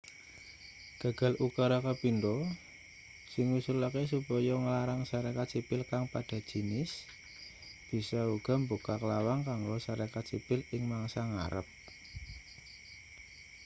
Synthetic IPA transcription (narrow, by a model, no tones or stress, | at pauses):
ɡ̥ä̤ɡ̥ä̤lʔukaɾakapindɔ | sɪŋwusulakes̬upɔjɔŋəlaɾaŋsaɾakat̪sipɪlkaŋpad̥a̤̥ʒ̥i̤nɪs | b̥i̤sauɡ̥ɔ̤mbukakəlawaŋkaŋɡɔsaɾakat̪sipɪlɪŋmaŋsaŋa̰ɾə̰p̚